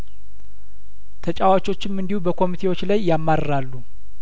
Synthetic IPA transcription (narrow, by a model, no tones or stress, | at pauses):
t̪ʰət͡ʃʼawat͡ʃo̞t͡ʃːɪmɨnd̪ihubəkʰo̞mit̪ʰe̞wo̞t͡ʃːlajːamːaɾəɾalːu